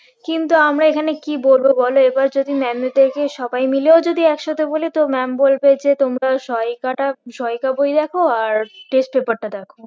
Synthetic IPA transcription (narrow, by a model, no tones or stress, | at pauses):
kint̪uamɾaekʰanekibolbobɔloebaɾd͡ʑod̪imɛmed̪ekʰeʃɔbajmileod͡ʑod̪iɛkʃɔt̪ʰebolet̪omɛmbolbed͡ʑet̪omɾaʃɔjkaʈaʃɔjkabojd̪ɛkʰoaɾʈesʈ̚pepaɾʈad̪ɛkʰo